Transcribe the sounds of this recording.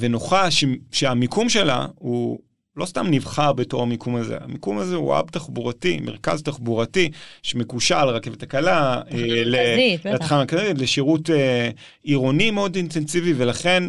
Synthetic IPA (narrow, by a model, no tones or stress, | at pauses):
venoχaʃeʃeamikumʃe̞la̰u | lo̞st̪amnivχaʁbeto̞χamikʰumazḛa̰mikumazeṵa̰btaχbuʁatimeʁka̰ztaχbuʁatiʃemekuʃalʁake̞vetakalaeleeatχamakazitleʃiʁute | iʁo̞nimeo̞dintensivivelaχe̞n